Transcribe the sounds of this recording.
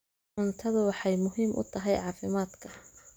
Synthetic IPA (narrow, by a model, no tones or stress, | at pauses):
ʕʊnt̪ʰɐðʊwɑħɑjmʊɦiːmʔʊ̰t̪ʰɐɦɛjʕɑːfɪmaːd̪kʰɐ